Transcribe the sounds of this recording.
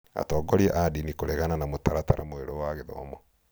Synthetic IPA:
a̰tɔːɡɔɾiɛʔadinikoɾɛɣananamotaɾataɾʔamoeɾowaːɣeðɔ̰ːmɔ

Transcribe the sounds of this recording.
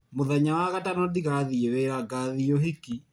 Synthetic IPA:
moðaɲawaɣatanɔdiɣaðieweɾaɡaðioɦiki

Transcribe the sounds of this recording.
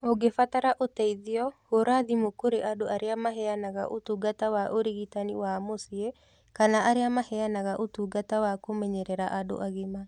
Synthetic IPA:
oɡefataɾaʔotɛiðiɔɣoɾaðimokoɾeʔadoʔaɾeamaɦɛanaɣa̰ʔotuɡatawaʔoɾiɣitaniwamosie | kanaʔaɾeamahɛanaɣaʔotuɡatawakomɛɲɛɾɛɾaʔado̰ʔaɣema

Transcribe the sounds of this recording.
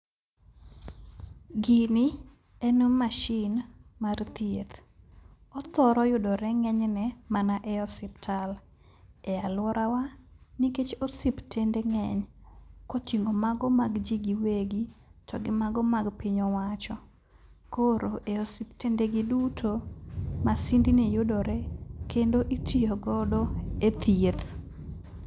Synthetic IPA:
ɡɪnɪ | enumːaʃɪnmart̪jet̪ | ɔt̪ɔɾɔjʊdɔɾɛŋɛɲnɛmanaʔɛɔsɪptʰal | ɛalwɔɾawaniket͡ʃosiptʰendeŋɛɲkotiŋɡomaɡɔmaɡd͡ʒiɡiweɡitʰɔɡɪmaɡɔmaɡpɪɲɔwat͡ʃɔ | koɾoʔeɔsɪptendeɡɪdutʰomasindinijʊdɔɾɛkendoʔitʰijoɡɔdɔet̪ʰiet̪

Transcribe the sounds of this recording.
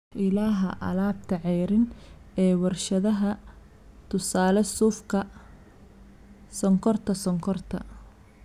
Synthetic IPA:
ʔɪlaːɦɐʔɐ̰laːbt̪ʰɐʕɛːɾɪn | ɛːwɐrʃɐðɐɦɐ | t̪ʰʊsaːlɛsuːfkʰɐ | sɔŋkʰɔrt̪ʰɐsɔŋkʰɔrt̪ʰɐ̰

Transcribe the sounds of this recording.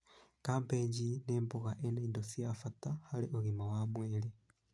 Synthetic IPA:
kaːmpeːɲɟineːmboɣaʔenaindosijafatahaliʔoɣimawamweːli

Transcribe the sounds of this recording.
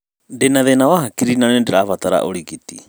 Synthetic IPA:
ndɛnaðɛnawaɦakiɾinanɛndɛɾaβat̪aɾa̰ʔoɾikit̪i

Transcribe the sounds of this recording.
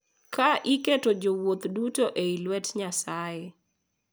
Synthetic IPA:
kaʔɪketod͡ʒowot̪dutoʔeilwɛtɲasaje

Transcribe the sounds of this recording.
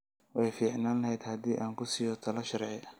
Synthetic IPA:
wʔɛjfiːʕnaːnlɐɦɛjd̪hɐd̪iːʔaːŋkʰʊsɪjɔt̪ʰɐlɐʃɐɾʕɛ

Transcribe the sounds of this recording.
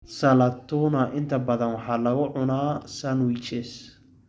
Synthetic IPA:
sɐlɐt̪ʰʊnɐʔɪnt̪ʰɐbɐðɐnwɑħɑːlɐɣʊʕʊnaːsɐnwit͡ʃɛs

